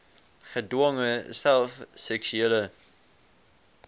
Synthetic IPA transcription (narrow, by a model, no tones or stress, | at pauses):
χədwɔŋəsælˠfsɛksyelə